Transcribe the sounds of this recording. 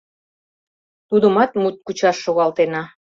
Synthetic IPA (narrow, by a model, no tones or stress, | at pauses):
t̪ud̪əmɑt̪mut̪̚kut͡ɕɑʃːoɣɑlt̪enɑ